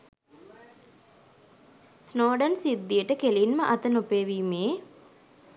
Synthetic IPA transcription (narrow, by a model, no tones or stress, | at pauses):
snoːɖənsid̪ːijəʈəkelinməʔɐt̪ənupeːʋiːmeː